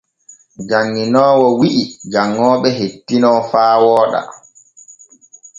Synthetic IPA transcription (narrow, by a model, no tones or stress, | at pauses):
d͡ʒaŋːinɔːwɔwiʔid͡ʒaŋːɔːɓɛɦetːinɔfaːwɔːɗa̰